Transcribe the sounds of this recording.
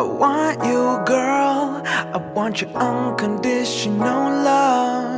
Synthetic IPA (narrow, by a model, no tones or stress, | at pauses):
wɑjəɡɜ˞lˠaɪwɑ̃nt͡ʃə˞ʔõnkɨ̃ndɪʃɨ̃noʊlʌ